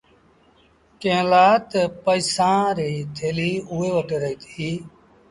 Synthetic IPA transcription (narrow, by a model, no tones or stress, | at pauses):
kẽːlaːt̪pəisãːɾiːt̪ʰeːliːuːeːʋəʈeːɾəɦiːt̪ʰiiː